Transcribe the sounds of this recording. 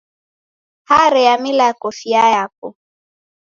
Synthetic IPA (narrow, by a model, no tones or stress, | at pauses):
haɾɛjamilakɔfiajapɔ